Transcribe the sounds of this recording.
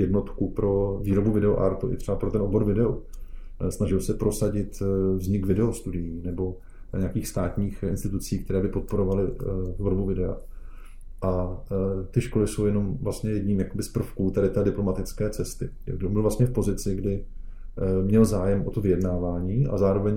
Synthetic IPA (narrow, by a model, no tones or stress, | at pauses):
jɛdno̞t̪kupɾo̞viːɾo̞buvɪdɛo̰ʔa̰ɾt̪uʔɪ̰t̪r̥ɛbapɾo̞t̪ɛnʔobo̞ɾvɪdɛo | snaʒɪlsɛpɾo̞saɟɪt̪vzɲɪkvɪdɛost̪udɪjiːnɛbo̞ | ɲɛakiːxst̪aːt̪ɲiːxʔɪ̰nst̪ɪt̪ut͡siːkt̪ɛɾɛːbɪpo̞t̪̚po̞ɾo̞valɪvolbuvɪdɛa̰ | ʔa | t̪ɪʃko̞lɪso̞wjɛno̞mvlast̪ɲɛjɛdɲiːmjako̞bɪspr̩fkuːt̪ɛdɪt̪ɛːdɪplomat̪ɪt͡skɛːt͡sɛst̪ɪ̰ɡbɪlvlast̪ɲɛfpo̞zɪt͡sɪɡdɪ | mɲɛlzaːjɛmʔot̪ovɪjɛdnaːvaːɲiːʔa̰zaːɾo̞vɛɲ